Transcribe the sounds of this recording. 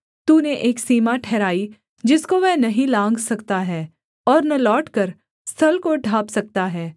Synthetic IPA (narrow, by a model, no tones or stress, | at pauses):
t̪uːneʔeːksiːmaʈʰɛːɾaːi | d͡ʒɪskoʋɛnɐɦĩlãːŋɡsɐkt̪aɦɛː | ɔːɾnɐlɔːʈkɐɾ | st̪ʰɐlkoɖʱaːpsɐk̚t̪aɦɛː